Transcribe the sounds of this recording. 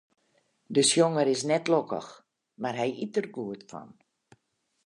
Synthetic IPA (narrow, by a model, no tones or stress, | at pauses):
dəsjoŋəɾɪsnɛtlokə̰x | marɦɛjitərɡuətfɔ̰n